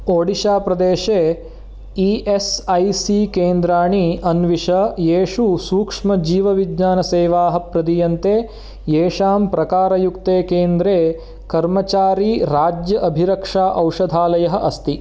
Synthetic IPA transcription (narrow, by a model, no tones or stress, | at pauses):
oːɽiʃaːpɾɐd̪eːʂeː | iʔesɐjsikeːnd̪ɾaːɳiɐnʋiʂɐjeːʂusuːkʂmɐd͡ʒiːʋɐʋidɲaːnɐseːʋaːɦɐ̆pɾɐd̪ijɐnt̪eː | jeːʂaːmpɾɐkaːɾɐjukt̪eːkeːnd̪ɾeː | kɐɾmɐt͡ʃaːɾiːɾaːd͡ʒjɐʔɐbʱiɾɐkʂaːʔɐwʂɐd̪ʱaːlɐjɐɦɐ̆ʔɐst̪i